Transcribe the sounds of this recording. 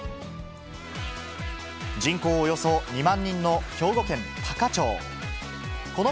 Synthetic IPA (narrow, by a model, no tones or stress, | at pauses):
d͡ʑĩŋko̞ːjo̞soɲ̟imãɲ̟ːĩnːo̞çʲo̞ːɡo̞kẽ̞nt̪ʰakat͡ɕoː | ko̞no